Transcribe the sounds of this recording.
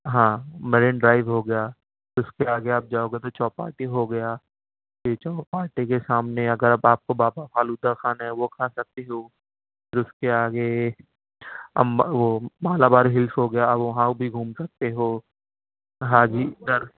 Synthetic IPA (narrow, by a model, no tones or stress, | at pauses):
ɦãːmɛɾẽnɖɾaːɪʋɦoɡɐjaː | ʊskeaːɡeaːp̚d͡ʒaːoɡet̪̬ot͡ʃɔːpa̰ːɾʈiɦoɡɐjaː | tet͡ʃɔːpaːɾʈikesaːmneɐɡəɾɐbaːp̚kobaːbapʰaːluːd̪akʰaːnaɦɛʋokʰaːsɐk̚t̪eɦoː | pʰɪɾʊskeaːɡe | ɐmʋomaːlabaːɾɦɪlsɦoɡɐjaɐbʋɐɦãobʱiɡʱuːmsɐk̚t̪eɦoː | ɦãːd͡ʒiːd̪ɐɾ